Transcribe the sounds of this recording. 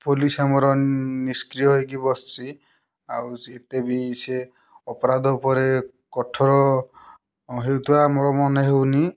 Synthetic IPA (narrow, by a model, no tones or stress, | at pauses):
polisamɔɾɔniskɾijɔɦojkibɔst͡ʃʰi | a̰wet̪ebise | ɔpɔɾad̪ʱɔupɔɾe | kɔʈʰɔɾɔ | ɦewt̪uaːmɔɾɔmɔneɦewni